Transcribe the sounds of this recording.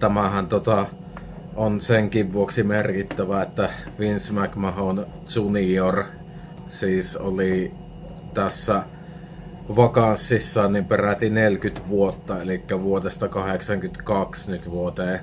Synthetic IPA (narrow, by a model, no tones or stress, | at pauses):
t̪æmæhænt̪ot̪ɑ | onseŋkiʋʋuoksimerkit̪ːæʋæet̪ːæʋinsmækmɑhon | sunior | siːso̰li | t̪æsːæ | ʋɑkɑsːisːɑːnnimperæt̪inelkyt̪ʋuot̪ːɑelikːæʋuot̪est̪ɑkɑheksɑŋkyt̪kɑksnyt̪ʋuot̪eː